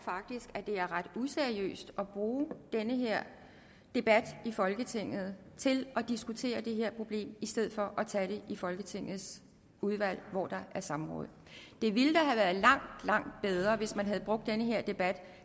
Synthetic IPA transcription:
fɑ̈ɡ̥̚d̥isɡ̥æd̥e̝æɐʁɑ̈d̥useɐiø̰ːsd̥ɒ̽b̥ʁuːd̥enəɦeɐ̰ | d̥e̝b̥æd̥ifɒ̽lɡ̥ət͡sʰe̝ŋ̰ð̩ˠt͡sʰe̝lɒ̽d̥isɡ̥ut͡sʰe̝̰ːɐd̥e̝ɦeɐ̰pʰʁo̝b̥le̝̰ːmisd̥eð̞̰ˠfɒ̽ʔɒt͡sʰæɾ̥e̝ʔifɒ̽lɡ̥ət͡sʰe̝ŋ̰ð̞̩ˠs | uð̞ˠʋæl̰ʋɒ̰ːd̥ɑ̈ʔæɐsɑ̈mʁɔ̰̽ːð̩ˠd̥e̝ʋiləd̥ɑɦæʋæːɐðˠlɑ̈ŋ̰d̥lɑ̈ŋ̰d̥̚b̥eð̞ˠʁɐʋe̝smænɦæð̞̩ˠb̥ʁɔ̽ɡ̥̚d̥ːenəɦe̝ɐ̰d̥e̝b̥æd̥

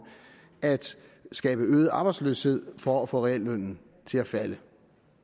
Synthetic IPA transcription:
æd̥sɡ̥ɛ̰ːb̥əøːð̩ˠɑ̈ːb̥ɑ̈ɪdsløːshe̝ð̞̰ˠfɒæfɔ̰̽ʁɛelːøn̰n̩ | t͡sʰe̝læfælə

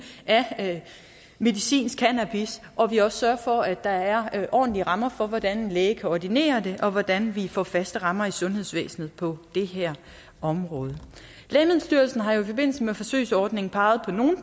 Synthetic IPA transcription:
ʔæ | me̝ðˠisḭːnskʰænæb̥isʔɒ̽ʋiɒ̽ssɶɐfɒ̽æd̥ɑ̈æɐʔɒ̰ːdn̩liəʁɑ̈mɐfɒ̽ʋɒd̥æne̝nleːkʰæɒd̥ine̝̰ːɐd̥e̝ʔɒ̽ʋɒd̥ænʋifɒ̰ːfæsd̥əʁɑ̈mɐisɔ̽nɦe̝ð̞ˠsʋḛːsn̩ð̩ˠpʰɒ̽d̥e̝ɦæɐ̰ | ɒ̽mʁɔ̽ːð̞ˠə | lɛɪmeð̩ˠsd̥yɐlsn̩ɦɑ̈jo̝ifɒ̽b̥e̝n̰l̩səmefɒ̽sø̰ːɪsɒːd̥ne̝ŋŋ̩pʰɑ̈ːð̞̩ˠpʰɒ̽no̝ːn̩

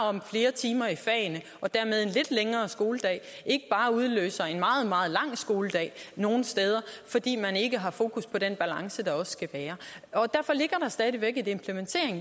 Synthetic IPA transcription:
ɒ̽mfle̝ːɐt͡sʰiːmɐifɛɪnə | ɒ̽d̥æɐmeð̞ˠe̝nle̝d̥leŋɐːsɡ̥o̝ːləd̥ɛ̰ː | ʔe̝ɡ̥əb̥ɑ̈ːuð̞ˠlø̰ːsɐe̝nmɑ̈ːð̞̩ˠmɑ̈ːð̞̩ˠlɑ̈ŋ̰sɡ̥o̝ːləd̥ɛ̰ːno̝ːn̩sd̥eːð̞ˠɐfɒ̽d̥ḭːmæne̝ɡ̥əɦɑ̈fo̝ːkʰuspʰɒ̽d̥enb̥ælɑ̈ŋsəd̥ɑ̈ɒ̽sskʰæʋæːɐ | ɒ̽d̥æɐfɒ̽le̝ɡ̥ɐɾ̥ɑ̈sd̥ɛːð̞ˠiʋeɡ̥e̝de̝mpʰləment͡sʰe̝̰ɐ̰eŋ

